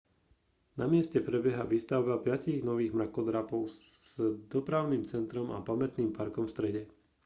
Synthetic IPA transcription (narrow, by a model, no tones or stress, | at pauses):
namɪɛscɛpɾɛbjɛɦaʋiːst̪aʊbapɪaciɣnɔʋiːɣmɾakɔd̪ɾapɔʊ | z̥d̪ɔpɾaʊniːmt͡sɛnt̪ɾɔma̰pamɛt̪niːmpaɾkɔmfst̪ɾɛɟɛ